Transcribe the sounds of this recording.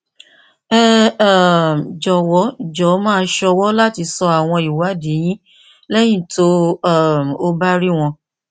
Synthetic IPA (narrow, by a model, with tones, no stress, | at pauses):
ɛ˦˨ | md͡ʒɔ˨wɔ˨˦˨d͡ʒɔ˨˦mãː˦ʃɔ˧wɔ˦la˦ti˧sɔ˧a˨w̃ɔ̃˧i˨wa˨˦de˨˦j̃ĩ˦ | lɛ˦j̃ĩ˦˨tʰo˦a˦˨m˨o˧ba˦ɾi˦w̃ɔ̃˧